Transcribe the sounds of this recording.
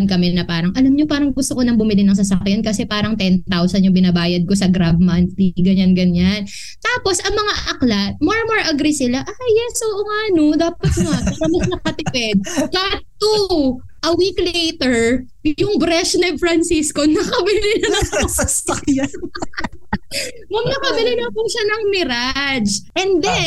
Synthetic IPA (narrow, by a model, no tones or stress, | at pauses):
nkɐmɛnɐpaːɾɐŋʔɐlɐmɲopaːɾɐŋɡʊst̪okonɐŋbʊmɪlɪnɐŋsɐsɐkɪjankɐsɛpaːɾɐŋt̪ɛnt̪awsɐnjʊŋbɪnabaːjɐd̪̚ko̞sɐɡɾabmɐnt̪liɡɐɲanɡɐɲan | t̪aːpo̞sʔɐŋmɐŋaʔʔɐklat̪̚moɹmoɹʔɐɡɾisɪlaʔajjɛsʔoʔoŋaʔɐno̞d̪aːpɐt̪̚ɐŋapɐɾɐmɐsnɐkɐt̪ɪpɛd̪̚kat̪t̪ːu | ʔɐwiklejt̪ɛɹ | jʊŋbɾɛʃnɛfɾɐnsiskonɐkɐbɪlɪnɐnɐɐs | mɐmnɐkɐbɪlɪnɐpuʃanɐŋmɪɾad͡ʒʔɛnd̪ɛ